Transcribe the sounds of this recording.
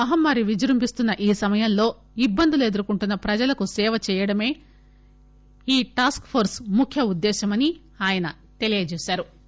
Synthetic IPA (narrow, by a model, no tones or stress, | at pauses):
ɐɦɐmːaːɾiʋid͡ʒɐɾumpist̪unːɐʔiːsɐmɐjɐmlo̞ː | ibːɐnd̪uled̪ɐɾukuɳʈunːɐpɾɐd͡ʒɐlɐkusɛːʋɐt͡ʃɛːjɐɽɐme̞ː | iːʈaːskpʰoːɾsmukʰjɐud̪ːɛːʃɐmɐni | aːjɐnɐ | t̪e̞lijɐd͡ʒeːʃaːɾu